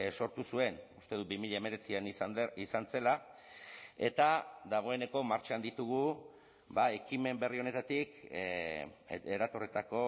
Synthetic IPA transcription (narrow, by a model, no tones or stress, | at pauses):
so̞ɾt̪usue̞nust̪e̞ð̞ubimiʎaeme̞ɾe̞t͡sianiisant͡se̞la | e̞̰t̪ad̪aɣ̞o̞e̞ne̞ko̞maɾt͡ʃand̪it̪uɣu | bae̞kime̞mbe̞rio̞ne̞t̪at̪ik | eɾat̪o̞ret̪ako̞